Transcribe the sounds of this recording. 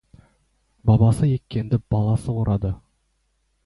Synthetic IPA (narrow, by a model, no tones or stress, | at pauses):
bɑbɑsəje̞kʲːe̞nd̪ɪb̥ɑlˠɑsəwoɾʔɑd̪ə